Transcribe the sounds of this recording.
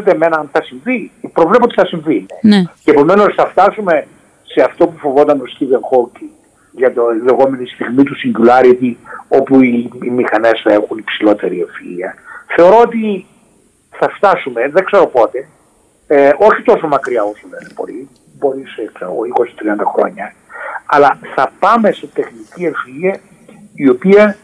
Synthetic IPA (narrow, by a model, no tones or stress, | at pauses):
et̪eːme̞nɐɐnθɐsiɱvipɾo̞vlep̬ot̪iθɐsiɱvinenceepo̞me̞no̞sθɐft̪ɐsume̞ | se̞ɐft̪o̞pufo̞vo̞t̪ɐnost̪ivenxoci | ʝɐt̪ole̞ɣo̞me̞nist̪iɣmit̪usiɲɟulɐɾit̪io̞puiːmixɐne̞sθɐexunipsilo̞t̪e̞ɾiefḭliɐθe̞o̞ɾo̞ot̪̬i | θɐft̪ɐsumeðeɡkse̞ɾo̞po̞t̪e̞ | o̞çit̪o̞so̞mɐkɾiɐosolenepo̞̰li | bo̞ɾisekseɾo̰ɣoiko̞si̥t̪ɾiɐnd̪ɐxɾo̞̰ɲɐ | ɐlɐθɐpɐme̞se̞t̪e̞xnicie̞filiɐ | io̞piɐ